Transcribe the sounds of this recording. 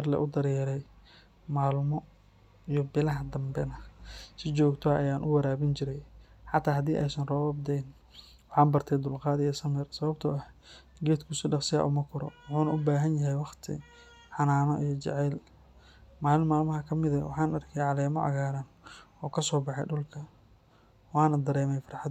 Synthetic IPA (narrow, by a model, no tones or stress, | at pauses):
ɐrlɐ̰ʔʊd̪ɐɾjɛɾɛj | maːlmɔ | ijɔbɪlɐɦɐd̪ɐmbɛnɐsɪt͡ʃɔːɡt̪ʰɔʔɐjaːnʔʊwɐɾaːβɪnt͡ʃɪɾɛj | ħɑt̪ʰːaːɦɐd̪iːʔɛ̰jsɐnrɔːβɐb̚d̪ɛjn | wɑħɑːnbɐrt̪ʰɛjd̪ʊlqɑːðɪjɛsɐmɛrsɐβɐb̚t̪ʰɐɐh | ɡɛːd̪kʰʊsɪɖɑqsɪja̰ːʔʊmɐkʰʊɾɔ̰wʊħuːnɐʔʊbaːɦɐnjɐɦɛjwɑχt̪ʰɪ̰ | ħɑnaːnɔʔijɔt͡ʃɛ̰ʕɛːl | maːlɪnmaːlmɐɦɐkʰɐmɪðɐwɑħaːnɐrkʰɛjʕɑlɛːmɔʕɑ̰ɣaːɾanɔːkʰɐsɔːbɑħɛ̰jɖʊlkʰɐ | wɑːnɐd̪ɐɾɛːmɛjfrħɑd̪